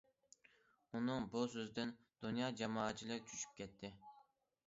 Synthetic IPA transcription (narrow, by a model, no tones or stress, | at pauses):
unɨŋbusøzd̪ɪn | d̪̥unjɑːd͡ʒɑmɑːɑt͡ʃʰilˠɪɾʲt͡ʃʰyʃy̥p̚kʲɛt̪ʰːɪ